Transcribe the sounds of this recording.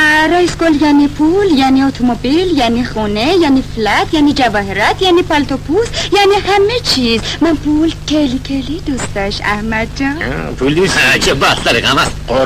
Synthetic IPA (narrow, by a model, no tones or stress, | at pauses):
ɾajskoljanipʰuljaniot̪ʰomobiljanixunejaniflat̪ʰjanid͡ʒavaɦiɾat̪janipalt̪opʰusjanihamet͡ʃʰizmanpʰulkʰelikʰelid̪ust̪ɐʃa̰hmad̪̚d͡ʒa̰pʰuld̪usat͡ʃʰabat̪t̪aliɣamasqo